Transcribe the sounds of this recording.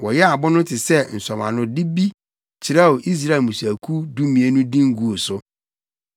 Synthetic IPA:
wɔ˨jɛ˦a˨bʊ˦nʊ̃˦tʰɪ˨sɛ˦n̩˨sɔ˨mã̰˨nʊ̃˦dɪ˦bi˦ | t͡ɕʰɪ˨ɾɛ˦˨wo˨ʔi˦s̬ɾa˦˨e˨mũ˨sæ˨kʰu˦du˦mĩ˨e˦nʊ̃˦dĩ˦ŋ̩˦ɡu˨o˨sʊ˦

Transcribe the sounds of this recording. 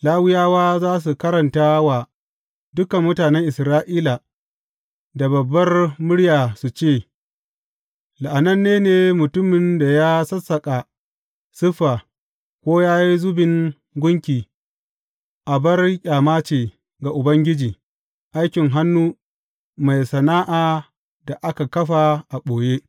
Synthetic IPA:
laː˦wɪ˦jaː˦waː˦zaː˦s̬u˨kɐ˦ɾɐ˨ntaː˦wa˨ | dʊ˦kɐ˨mːʊ˦taː˨nɛ˦ŋʔɪ˨sɾaː˦ʔiː˦la˨ | da˨bɐ˨bːɐ˦rmʊ˦ɽjaː˨su˨t͡ʃeː˦˨ | la˨ʔa˨nɐ˦nːeː˦neː˨mʊ˨tʊ˦mːɪ˨nda˨jaː˦sɐ˦sːɐ˨kʼa˨ | sʊ˦ɸːa˨ | kʷoː˦jaː˦ji˦zʊ˦bɪ˨ŋ | ɡʷʊ˦ŋkʲiː˨ | ʔa˨bɐ˦rkʲʼaː˨maː˦t͡ʃeː˨ | ɡa˨ʔʊ˨bɐ˦ŋɡʲɪ˦d͡ʒiː˨ | ʔa˦jkʲɪ˨ŋɦa˦nːuː˦ | ma˨jsɐ˨naː˦ʔaː˨ | da˨ʔa˦ka˨kɐ˦ɸa˨ʔa˨ɓoː˨je˦

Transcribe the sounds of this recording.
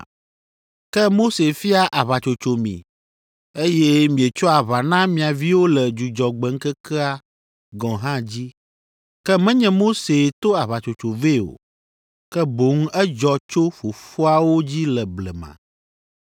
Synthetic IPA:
kɛ˦mo˦se˨fi˦a˦ʔa˨βa˨t͡ʃo˨t͡ʃo˨mḭ̃˨ | e˦jɛ˦mĩ˨ɛ˨t͡ʃɔ˦a˨βa˨nã˦mĩ˨a˨vi˦wo˦lɛ˨d͡ʒu˨d͡ʒɔ˨ɡ͡bɛ˨ŋ̩˦kɛ˦kɛ˦a˦ | ɡɔ̃˨ɦã˦d͡ʑi˦ | kɛ˦mɛ̃˦ɲɛ̃˨mo˦se˨t̪o˦a˨βa˨t͡ʃo˨t͡ʃo˨ve˦˨o̰˨ | kɛ˦bo˨ŋ̩˦ɛ˦d͡ʒɔ˨t͡ʃo˦fo˨fo˦a˨wo˦d͡ʑi˦lɛ˨blɛ˨mã̰˨

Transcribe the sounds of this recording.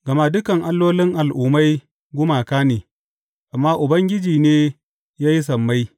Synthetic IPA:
ɡɐ˨ma˦dʊ˦kɐ˨ŋʔa˦lːoː˦lɪ˦ŋʔa˨lʔʊː˨ma˦j | ɡʷʊ˦maː˨kaː˦neː˨ | ʔa˨mːaː˦ʔʊ˨bɐ˦ŋɡʲɪ˦d͡ʒiː˨neː˦ | jaː˦ji˦s̬ɐ˨mːa˦j

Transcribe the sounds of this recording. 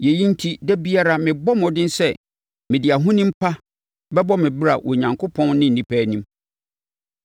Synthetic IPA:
jɛ˨ji˦n̩˦tʰi˦dɛ˦bi˦a˦ɾa˦mɪ̃˨bɔ˦mɔ̃˨dɪ̃˦n˦sɛ˦˨ | mɪ̃˨dɪ˨a˨ɦʊ̃˦nĩ˦m̩˦pʰa˦ | bɛ˦bɔ˦mɪ̃˨bɪ˦ɾa˨wʔɔ˨ɲã˨ŋkʰo˦pʰɔ̃˦nnɪ̃˦n̩˨ĩ˨pʰæː˦nĩ˦m

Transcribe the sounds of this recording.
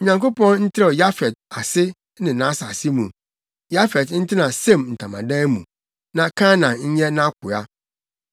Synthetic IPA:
ɲã˨ŋko˦pɔ̃˦nn̩˦tʰɪ˦ɾɔ˨ja˦fɛ˨d̚a˨sɪ˦ | nɪ̃˨nã˦sa˨sɪ˦mũ˨ | ja˦fɛ˨dn̩˦tʰɪ˦nã˨sẽ˦˨mn̩˨tʰã˨mã˨dã˦mṵ̃˨ | nã˨kʰã˦nã˨ɲ̩˦ɲɛ˦nã˦kʰʊ˨a˦

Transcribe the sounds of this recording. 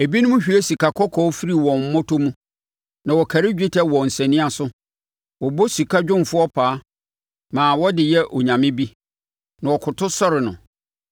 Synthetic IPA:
e˨bi˦nʊ̃˦mʊ̃˦ɕᶣi˨˦e˦si˨kʰa˨kʰɔ˦kʰɔ˦fi˦ɾi˨wɔ̃˨m̩˦mɔ̃˦tʰo˦mũ˦ | nã˨wɔ˨kʰæ˨ɾɪ˦d͡ʑᶣi˦tʰɛ˦wɔ̃˨n̩˨sɛ̃˨nɪ̃˦a˦˨sʊ˦ | wɔ˨bɔ˦si˨kʰa˦d͡ʑᶣʊ̃˦m˨fʊ˦ɔ˦pʰaː˨˦ | mãː˨wɔ˦dɪ˨jɛ˦ʔɔ˨ɲã˨mɪ̃˦bi˦ | nã˨wɔ˨kʰʊ˨tʰʊ˦sɔ˦ɾɪ˨nʊ̰̃˨

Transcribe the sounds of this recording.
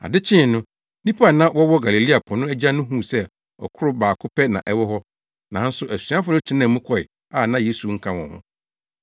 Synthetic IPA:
a̰˨dɪ˦t͡ɕʰɪ̃˦˨nʊ̃˦ | nĩ˦pʰa˦a˦˨nã˦wɔ˦wɔ˦ɡa˨li˨li˦a˨pʰɔ˨nʊ̃˦æ˦d͡ʑa˦nʊ̃˦ɦũ˦˨sɛ˦ | ɔ̰˨kʰʊ˦ɾʊ˦baː˨kʰʊ˦pʰɛ˦nã̰˨ʔɛ˦wɔ˦ɦɔ˦ | nã˨n̩˦sʊ˦ʔæ˨si˨˦a˦fʊ˨˦nʊ̃˦t͡ɕʰɪ˦nã˨mũ˦kʰɔ˨ɪ˨ | a˨nã˦je˦su˨ŋ̩˦kʰã˦wɔ̃˨hʊ̰̃˦

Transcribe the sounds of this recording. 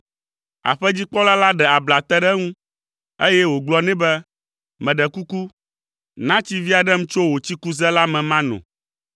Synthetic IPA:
a̰˨ɸɛ˦d͡ʑi˦k͡pɔ˦la˦la˦ɖɛ˨a˨bla˨t̪ɛ˦ɖɛ˦ŋũ˦ | e˦jɛ˦wo˨ɡ͡blɔ˨nɛ̃˦bɛ˦ | mɛ̃˨ɖɛ˨ku˦ku˦ | nã˦t͡ɕi˦vi˦a˨ɖɛ˦m̩̃˦t͡ʃo˦wo˨t͡ɕi˦ku˦zɛ˦la˦mɛ̃˨mã˦nɔ̰̃˨

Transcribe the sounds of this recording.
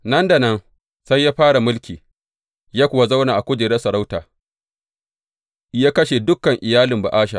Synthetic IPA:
nɐ˦nda˨nɐ˦n | sa˦jːaː˦ɸaː˦ɽa˨mʊ˦lkʲiː˨ | jaː˦kʷʊ˨wa˦za˦wnaː˨ʔa˨kʷʊ˦d͡ʒeː˨ɾe˦sɐ˨ɽa˦wtaː˨ | jaː˦kɐ˦ʃe˨dʊ˦kːɐ˨ŋʔɪ˨jaː˦lɪ˨mba̰˨ʔaː˦ʃa̰˨

